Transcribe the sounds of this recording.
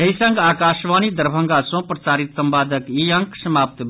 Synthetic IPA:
ejsəŋɡaːkaːʃʋaːnid̪ɐɾbʱɐ̃ŋɡasõprɐt͡saːɾit̪sɐmpaːd̪əkiɐ̃ŋksɐmaːp̚t̪b

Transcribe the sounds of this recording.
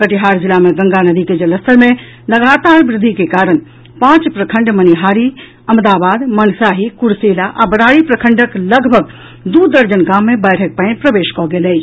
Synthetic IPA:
kəʈiɦaːɾzɪlamẽɡə̃ŋɡanəd̪iked͡ʒɐləst̪əɾmẽ | ləɡaːt̪aːɾbɾɪd̪ʱːikekaːɾən | pãːt͡ʃpɾəkʰə̃ɳɖməniɦaːɾi | ɐmd̪aːbaːd̪mənsaːɦikʊɾseːlaʔabəɽaːɾipɾəkʰə̃ɳɖəkləɡʱbʱəɡ | d̪uːd̪əɾd͡ʒənɡaːmːẽbəːʈʰək̚pəɪ̃npɾəʋeːʃkɔːɡeleː

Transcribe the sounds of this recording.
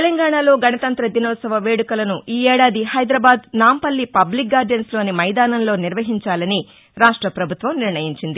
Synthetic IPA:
t̪elɐŋɡaːɳalo̞ːɡɐnɐt̪ɐnt̪ɾɐd̪inɔːsɐʋɐʋe̞ːɽukɐlɐnuʔiːɛːɽaːd̪ihɐjd̪ɾɐːbaːd̪naːmpɐlːipɐblikaːɾɖɐnslo̞ːnimɐjd̪aːnɐnlo̞ːniɾʋɐɦiɲt͡ʃaːlɐni | ɾaːʂʈɾɐpɾɐbʱut̪ʋɐmniɾɳɐjiɲt͡ʃind̪i

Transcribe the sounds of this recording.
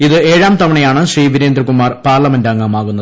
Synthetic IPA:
iðɨeːɻaːmt̪ɐʋɐɳɐjaːɳɨɕriːʋiɾeːnd̪ɾikːumaːrpaːrlɐmendɐɐŋːɐmaːɣunːɐð

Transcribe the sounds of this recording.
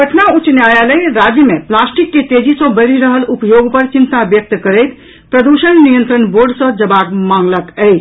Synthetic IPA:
pəʈʰnaut͡ʃnjaːjaləiɾaːd͡ʒjəmẽplaːsʈikːet̪eːd͡ʒisõbəɾiɾəɦəlupjoːɡpəɾt͡ʃɪ̃nt̪abjək̚t̪kəɾɛt̪ | pɾəd̪uʃənnijə̃nt̪ɾənboːɾɖsə̃d͡ʒɐbaːɡmãːŋɡləkɛi

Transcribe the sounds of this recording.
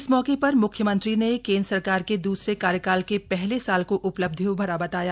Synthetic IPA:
ɪsmɔːkepɐɾmʊkʰjəmɐ̃nt̪ɾinekẽːnd̪ɾsɐɾkaːɾked̪uːsɾekaːɾjəkaːlkepɛɦlesaːlkoʔʊpləb̚d̪ʱijõbʱɐɾabɐt̪aːja

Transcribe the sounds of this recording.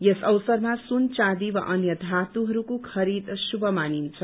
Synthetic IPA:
jesʌwsʌrmasunt͡sad̪iwa̰ʔʌnjʌd̪ʱat̪uɦʌɾukokʰʌɾid̪subʱʌmanint͡sʰʌ

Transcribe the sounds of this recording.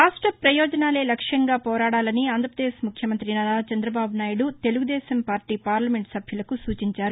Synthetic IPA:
ɾaːʂʈɾɐpɾɐjɔːd͡ʒɐnaːle̞ːlɐkʂɐŋɡaːpɔːɾaːɽaːlɐniaːnd̪ʱɾɐpɾɐd̪eːʃmukʰjɐmɐnt̪ɾinɐd̪aːt͡ʃɐnd̪ɾɐbaːbunaːjuɽut̪e̞luɡud̪ɛːsɐmpaːɾʈiːpaːɾlɐme̞ɳʈsɐbʱjulɐkusuːt͡ʃiɲt͡ʃaːɾu

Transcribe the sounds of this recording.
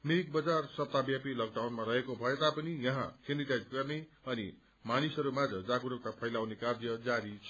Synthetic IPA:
mek̚bʌd͡zarsʌp̚t̪abjapilʌɡ̚ɖawnmaɾʌɦekobʱʌet̪apʌnijʌɦã̰kʰeniʈajd͡zɡʌrne | ʌnḭ | manisʌɾumad͡zʌd͡zaɡuɾok̚t̪apʰʌjlawnekard͡zijʌd͡zaɾit͡sʰʌ

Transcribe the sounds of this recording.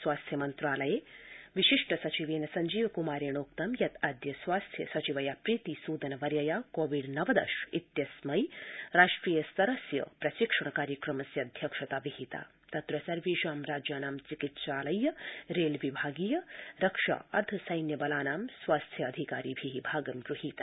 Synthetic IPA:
sʋaːst̪ʰjɐmɐnt̪ɾaːlɐjeːʋiʃiʂʈɐsɐt͡ʃiʋeːnɐsɐɲd͡ʒiːʋkumaːɾeːɳ̃oːk̚t̪ɐmjɐt̪aːd̪jɐsʋaːst̪ʰjɐ̰sɐt͡ʃiʋɐjaːpɾiːt̪isuːd̪ɐnɐʋɐɾjɐjaːkoːʋiɖnɐʋɐd̪ɐ̰ʃit̪jɐsmɐjɾaːʂʈɾiːjɐsɐɾɐsjɐ̰pɾɐʃikʂɐɳkaːɾjəkɾɐmɐsjɐd̪ʱjɐkʂɐt̪aːʋiɦit̪a̰ː | t̪ɐt̪ɾɐsɐɾʋiːʃaːmɾaːd͡ʒjaːnaːmt͡ʃikit̪ʃaːlɐjːɐɾeːlʋibʱaːɡiːjɐɾɐkʂa̰ːɐɾt̪ʰɐsɐjnjɐbɐlaːnaːmsʋaːst̪ʰjɐɐd̪ʱikaːɾiːbʱiːɦibʱaːɡɐmɡɾuɦiːt̪aː

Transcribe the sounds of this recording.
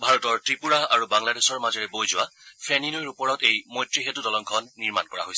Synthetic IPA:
bʱaɹɔtɔɹtɹipuɹaaɹubaŋladesɔɹmazɔɹɛbojzʊwapʰɛninojɹupɔɹɔtejmojtɹiɦetudɔlɔŋkʰɔnːiɹma̰nkɔɹa̰ɦojsɛ

